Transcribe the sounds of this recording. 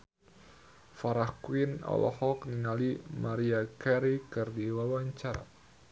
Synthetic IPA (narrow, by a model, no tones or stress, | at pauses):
faɾahkwinɔ̰lɔ̰hɔkniŋalimaɾiakɛɾikɨrdiwawaɲt͡ʃaɾa̰